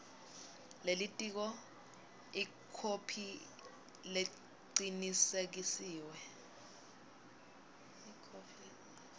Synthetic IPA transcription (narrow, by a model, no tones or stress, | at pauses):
lelitʼik̬ɔ | i | kʰopʰi | le | ǃǀinisek̬isiːwɛ | kʰ